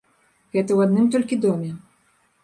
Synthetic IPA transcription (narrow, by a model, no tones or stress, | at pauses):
ɣɛt̪ɐwad̪nɨmt̪ɔlʲkʲid̪ɔmʲɛ